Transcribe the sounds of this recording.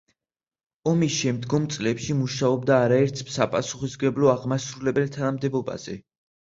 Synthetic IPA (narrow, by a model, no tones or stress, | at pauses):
ɔmisʃɛmd̪ɡɔmt̪sʼlɛpʃimuʃaɔbd̪aːɾaɛɾt̪ʰsapʼasuχisɡɛblɔaʁmasɾulɛbɛlt̪ʰanamd̪ɛbɔba̰z̥ɛ